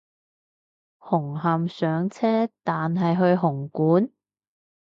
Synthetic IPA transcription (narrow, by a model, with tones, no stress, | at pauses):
hʊ˨˩ŋɦɐ˨msœː˨˧˥ŋt͡sʰɛː˥t̪aː˨nɦɐ˨jɦɵ˧ɥɦʊ˨˩ŋkuː˨˥n